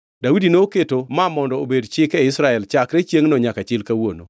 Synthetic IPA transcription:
dawidinoːketomamɔndɔobedt͡ʃɪkɛɪsɾaɛlt͡ʃakɾet͡ʃjeŋnɔɲakat͡ʃɪlkawono̰

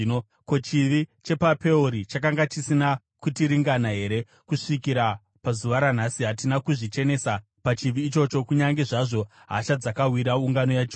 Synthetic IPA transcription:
o | kot͡ʃiʋit͡ʃe̞pape̞uɾit͡ʃak̬aŋɡat͡ʃisina | kutiɾiŋɡanaɦe̞ɾe̞ | kuʂikiɾa | pazuʋaɾan̤asiɦat̬inakuʐit͡ʃe̞ne̞ːsa | pat͡ʃiʋiːt͡ʃo̞t͡ʃo̞kuɲaŋɡe̞ʐaʐo̞ | ɦa̰ːt͡ʃad͡zakawiɾauŋɡano̞jat͡ʃo

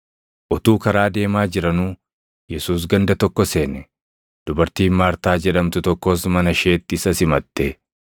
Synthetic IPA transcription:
ʔɔt̪uːkɐɾaːd̪e̞ːmaːd͡ʒɪɾɐnuː | jɛsuːs̬ɡɐnd̪ɐt̪ɔkːɔse̞ːnɛ | d̪̥ʊbɐɾt̪iːnmaːɾt̪aːd͡ʒɛᶑɐmt̪ʊt̪ɔkːo̞ːsmɐnɐʃe̞ːt̪ːɪɪsɐsɪmɐt̪ːe

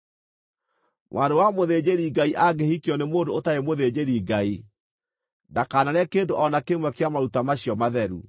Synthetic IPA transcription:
mwʔaɾowamoðed͡ʑeɾiɡaiʔaɡehikjɔnemoːndootaemoðed͡ʑeɾiɡai | ndakaːnaɾɛkendoʔɔnakemwɛkejamaɾutamaɕiɔmaðɛɾṵ

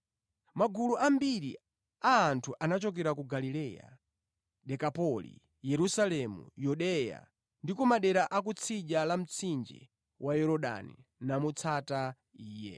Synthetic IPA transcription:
maɡuluʔambiɾḭ | aːntʰuʔanat͡ʃɔk̬ɛɾakuɡalilɛja̰ | ɗɛkapɔlḭ | jɛɾusalɛmṵjuɗɛja̰ | ndikumaɗɛɾaʔak̬ut͡sʰiʄalam̩t͡sʰind͡ʒɛ̰ | wʔajɛɾɔɗa̰nḭnamut͡sʰata | iːjɛ̰

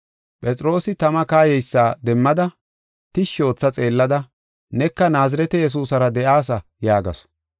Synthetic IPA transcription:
pʼɛt͡sʼɾo̞ːsɪt̪ɐmɐkaːjɛjsːaːd̪ɛmːɐd̪ɐ | t̪ɪʃːo̞ːt͡sːɐt͡sʼe̞ːlːɐd̪ɐ | nɛkːɐnaːzɪɾɛt̪ɛjɛs̬uːsɐɾɐd̪ɛʔaːs̬ɐ | jaːɡɐ̰s

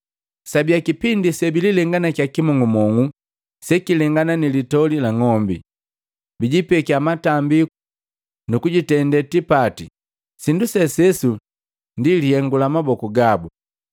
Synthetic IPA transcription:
sabijakipindisɛbililɛŋɡanakjakimɔŋumɔŋu | sɛkilɛŋɡananilitɔlilaŋɔmbḭ | biɟipɛkiamatambiu | nukuɟitɛndɛtipati | sindusɛsɛsu | ndilihɛŋɡulamabɔkuɡabu

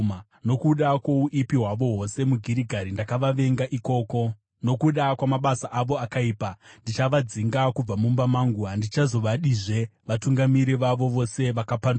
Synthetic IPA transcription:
no̞kuɗakwouʔipiɦwaʋo̞ɦo̞se̞muɡʱiɾiɡʱaɾindakaʋaʋe̞ŋɡaʔiko̞ːko | no̞kuɗakwamaɓasaʔaʋo̞akaiːpandit͡ʃaʋad͡ziŋɡakub͡vamumbamaŋɡuɦandit͡ʃazo̞ʋaɗiʐe̞ʋatuŋɡamiɾiʋaʋo̞ʋo̞se̞ʋakapan

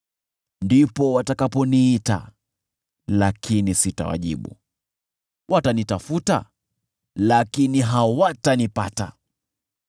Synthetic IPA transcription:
ndipɔwatakapɔniita̰ | lakʰinisita̰wa̰ʄḭɓṵ | wʔatanitafuta̰ | lakiniɦawatanipa̰ta̰

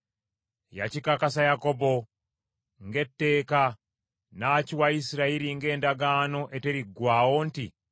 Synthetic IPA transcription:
ja̰cikakasajako̞bo | ŋɡe̞tːe̞ːka | naːciwaisiɾaiɾiŋɡe̞ːndaɡano̞ʔe̞te̞ɾiɡːwaːwonti

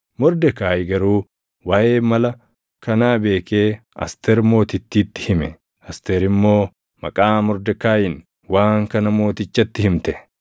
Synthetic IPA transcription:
mɔɾd̪ɛkaːjɪɡɐɾuː | waːʔe̞ːmɐlɐ | kɐnaːbe̞ːke̞ː | ɐ̰st̪ɛɾmo̞ːt̪ɪt̪ːiːt̪ːɪ̥hɪmɛ | ɐst̪eːɾɪmːo̞ː | mɐ̰kʼaːmɔɾd̪ɛkaːjɪn | waːŋkɐnɐmo̞ːt̪ɪt͡ʃːɐt̪ːɪhɪmt̪ɛ

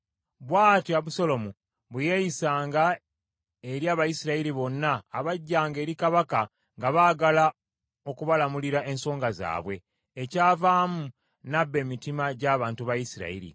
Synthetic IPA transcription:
βwaːtiaβuso̞lo̞mu | βuje̞jisaːŋɡa | eɾjaːβajisiɾaiɾiβo̞nːaːβaɟːaːŋɡe̞ːɾikaβaka | ŋɡaβaːɡala | o̞kuβalamuliɾaʔe̞nso̞ːŋɡaza̰ːβwe̞ː | caːvaːmu | nabːe̞ːmitimaɟaːβaːntuβajisiɾa̰ḭɾḭ

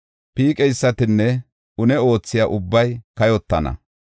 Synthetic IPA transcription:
piːkʼɛjsːɐt̪ɪnːɛ | ʔʊnɛo̞ːt͡sːɪjɐʔʊbːɐjkɐjɔt̪ːɐnɐ̰

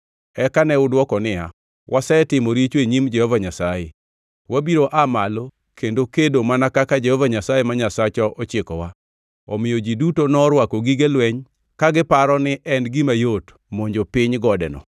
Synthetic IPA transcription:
ɛkanɛʊdwɔkɔnɪja | wʔasɛtɪmoɾit͡ʃweɲimd͡ʒɛhɔvaɲasaje | wabiɾoʔamalo | kʰendokedomanakakad͡ʒehɔvaɲasajemaɲasat͡ʃɔʔɔt͡ʃɪkɔ̰wa | ɔmɪjod͡ʒidutonɔɾwakoɡiɡelwɛɲ | kaɡɪpaɾɔnɪʔɛnɡɪmajot | moɲd͡ʒopɪɲɡɔdɛ̰nɔ̰

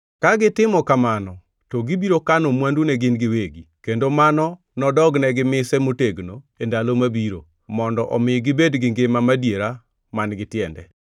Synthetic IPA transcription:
kaɡɪtɪmɔkamanɔ | toɡibiɾokanomwandunɛɡɪnɡɪweɡikendomanɔ | nɔdɔɡnɛɡɪmɪsɛmoteɡno | endalomabiɾo̰ | mɔndɔʔɔmɪɡɪbedɡɪŋɡemamadjeɾa | manɡɪtɪɛndɛ̰

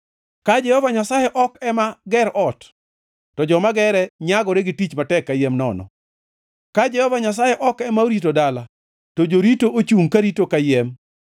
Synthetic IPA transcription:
kad͡ʒɛhɔvaɲasajɛʔɔkɛmaɡɛɾʔɔt | tɔd͡ʒɔmaɡɛɾɛɲaɡɔɾeɡɪtit͡ʃmatɛkːajɛmnɔ̰nɔ̰ | kad͡ʒɛhɔvaɲas̬ajɛʔɔkɛmaoɾitodala | tod͡ʒoɾitoʔot͡ʃuŋkaɾitokajɛm

